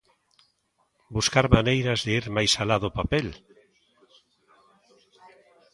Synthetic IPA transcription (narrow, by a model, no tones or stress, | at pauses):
buskaɾmanejɾɐzðeeɾmajsalaðʊpapel